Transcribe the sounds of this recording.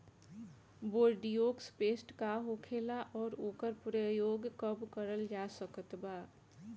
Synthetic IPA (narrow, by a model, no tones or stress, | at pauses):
boːɾɖijokspeːsʈkaɦokʰeːlaʔɔːɾoːkəɾpʊɾəjoːɡkəbkəɾəld͡ʒasəkət̪baː